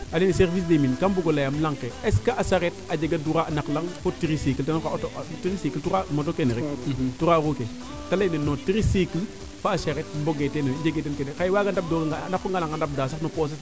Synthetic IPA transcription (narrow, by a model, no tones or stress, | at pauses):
aliniseɾvis̬deminkamboɡolajamlaŋkeeskaʔasaɾetad͡ʒeɡaduɾaanaklaŋfotiɾisikiltanokattɾisikiltuɾamotokeneɾituɾaɾuke | talainenotiɾisikil | faasaɾet̚mboɡetenod͡ʒeɡetenkenekajwaːɡandap̚doːɡanakfoŋɡalaŋɡandap̚das̬anopos̬es